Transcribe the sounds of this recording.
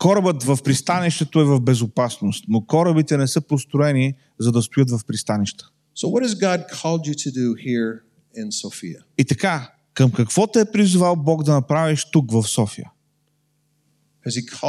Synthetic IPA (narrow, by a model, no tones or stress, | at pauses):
kɔɾəbət̪vɐfpɾist̪aniʃt̪ɛt̪oɛvɐvbɛzʊpasnost̪nokɔɾəbit̪ɛnɛsɤpost̪ɾʊɛni | zɐd̪ɐst̪ʊjət̪vɐfpɾist̪aniʃt̪ə̥ | soʊwʌt̚hɨzɡɑd̚kʰɔlˠd͡ʒɨɾɨdɨhiɹ | ɪ̃nsoʊfiə | it̪ɐka | kəmkɐkv̥ɔt̪ɛɛpɾizʊvalˠbɔɡd̪ɐnɐpɾaviʃt̪ukvɐfsɔfḭjə̰ | ʌz̥ikʰ